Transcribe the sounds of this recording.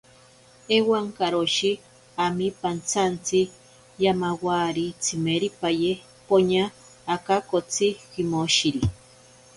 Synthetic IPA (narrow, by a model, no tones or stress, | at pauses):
ewaŋkaɾoʃi | amipant͡sant͡si | jamawaɾit͡sʰimeɾipaje | poɲaː | kakot͡siximoʃiɾi